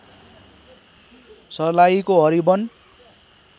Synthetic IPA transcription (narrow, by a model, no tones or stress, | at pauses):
sʌlajkoɦʌɾibʌn